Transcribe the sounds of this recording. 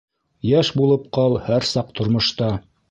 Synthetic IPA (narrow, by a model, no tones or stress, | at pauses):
jæʃbulˠɤp̚qɑlˠhæɾsɑq̚t̪ŏɾmŏʃt̪ɑ